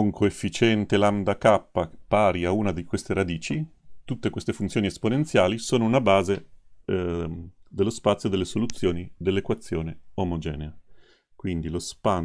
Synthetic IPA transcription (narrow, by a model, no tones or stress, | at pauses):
oŋkʰoefːit͡ʃɛnt̪eland̪akapːapaːɾiauːnad̪ikwest̪eɾad̪iːt͡ʃit̪ut̪ːekwest̪efunt̪sjoːniesponent̪sjaːlisoːnounabaːze | d̪elːospat̪sːjod̪elːesolut̪sːjoːnid̪elːekwat̪sːjoːneomod͡ʒɛːnea | kwind̪ilospa